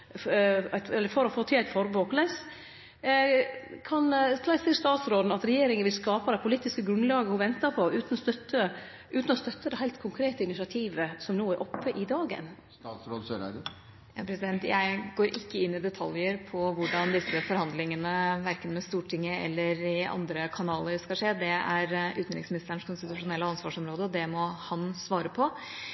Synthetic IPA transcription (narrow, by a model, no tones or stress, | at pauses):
æɪt̪ɛlːəɾfɔɾɔfoːt̪ʰɪæɪt̪fɔɾboːklɛs | kʰɑnslɑɪsiːst̪ɑːt̪sɾoːd̪n̩ɑt̪ɾɛjeːɾɪŋənʋɪlskɑːpɑd̪ɛɪpʰʊliːt̪ːɪskəɡɾʉnlɑːɡəhʊʋɛnt̪əpʰɔʔʉːt̪nɔst̪œt̪ːə | ʔʉːt̪n̩ɔst̪œt̪ʰːəd̪ɛɦæɪlt̪kʰʊŋkʰɾeːt̪əɪnɪsɑt̪ʰiːʋəsɔmnoːæɾʔɔpːəʔɪd̪ɑːɡə̰n | ɑːt̪sɾoːd̪søɾæ̰d̪ə | jɑːpʰɾɛsɪd̪ɛnt̪jæɪɡoːɾʔɪkːəɪnːɪd̪ɛt̪ʰɑljəɾpʰɔʋʊɖɑnd̪ɪsəfɔɾhɑnd̪lɪŋənəʋæɾkənmɛst̪uːʈʰɪŋːəɛ̰lːəɾɪɑ̰nd̪ɾəkʰɑnɑːləɾskɑʂeːd̪ɛæɾʉːt̪nɾɪŋsmɪnɪst̪əəɳʂkʰʊnst̪ɪt̪ʉʂʊnɛlːəɑnsʋɑːʂɔmɾoːd̪əɔd̪ɛmɔhɑnsʋɑːɾəpʰɔ